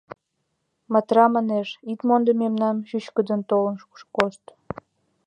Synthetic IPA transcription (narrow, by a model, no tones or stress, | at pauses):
mɑt̪rɑmɑneʃit̪mond̪ə̆memnɑmʃyɕkə̆d̪ə̆nt̪olə̆nʃʃkost̪